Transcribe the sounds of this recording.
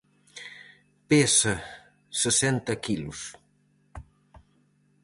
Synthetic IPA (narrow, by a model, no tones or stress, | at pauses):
pesɐ | səsɛnt̪ɐkʰilus